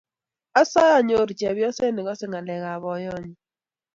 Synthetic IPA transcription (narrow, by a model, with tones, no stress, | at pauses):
a˦sɔ˦jɔ˦˨ɲo˦˨ɾt͡ʃɛ˨bjɔ˦se˦nɪ˨ɡɔ˦sɪ˦ŋa˨lɛ˨ɣa˨βɔ˨jɔ˦˨ɲi˨